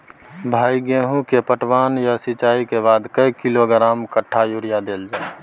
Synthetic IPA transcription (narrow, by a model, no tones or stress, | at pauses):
bʱaːiɡeːɦũkepəʈʰwaːnjasɪt͡ʃaːikeβaːd̪kəikiloɡɾaːmkəʈʰːajuɾijad̪eːld͡ʒaː